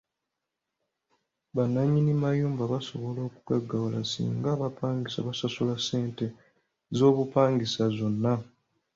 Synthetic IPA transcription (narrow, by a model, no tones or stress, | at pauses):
βanːaɲːinimajuːmbaβaso̞βo̞lo̞ːkuɡaɡːawula̰sḭːŋɡaβapaːŋɡisa̰βasasulasːe̞ːnte | zo̞ːβupaːŋɡisazo̞nːa